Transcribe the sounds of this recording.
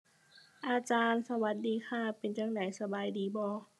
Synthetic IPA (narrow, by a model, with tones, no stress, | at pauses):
ʔaː˧t͡ɕaː˧nsa˧wa˧˦t̪̚diː˨˧xʰaː˧˥˩pe˧˨nt͡ɕaː˧ŋnaː˨˩˦jsa˧baː˨˧jdiː˨˧˦bɔː˧˦